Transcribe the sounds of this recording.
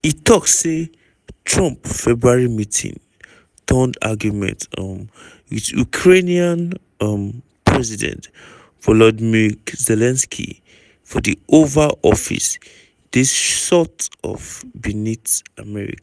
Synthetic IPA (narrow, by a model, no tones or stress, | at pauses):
itʰɔkse | tʰɹɔ̃mpfɛbɹuaɹimitʰḭ̃ŋ | tʰə̃nda̰ɡjumɛ̰̃ntm | itṵkʰɹeniãn | m | pʰɹɛzidɛ̰̃nt | vɔlɔdmikzɛlɛ̃nskʰḭ | fɔdiʔovaʔɔ̰fḭs | d̥isʃɔtɔ̰vbinitamɛɹḭk